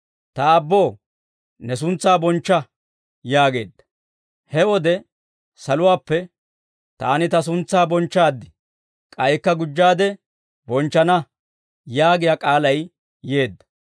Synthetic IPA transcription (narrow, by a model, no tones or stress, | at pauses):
t̪ɐːbːo̞ː | nɛs̬ʊnt͡sːaːbɔnt͡ʃːɐ | jaːɡe̞ːd̪ːɐ̥ | hɛwɔd̪ɛ | sɐlʊwaːpːɛ | t̪a̰ːnɪt̪ɐs̬ʊnt͡sːaːbɔnt͡ʃːaːd̪ːɪ | kʼɐjkːɐɡʊd͡ʒːaːd̪ɛ | bɔnt͡ʃːɐnɐ | jaːɡɪjakʼaːlɐj | je̞ːd̪ːɐ̥